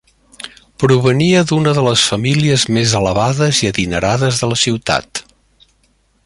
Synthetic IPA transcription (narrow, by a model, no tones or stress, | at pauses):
pɾuβ̞əniəðunəðələsfəmiliəzmezələβaðəziəðinəɾaðəzðələsiwt̪a̰t̪